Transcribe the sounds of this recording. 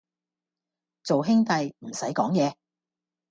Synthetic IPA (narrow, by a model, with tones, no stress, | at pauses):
t͡so˨wɦɪ˥ŋt̪ɐ˨jm̩˨˩sɐ˨˥jkɔː˨˥ŋjɛː˨˧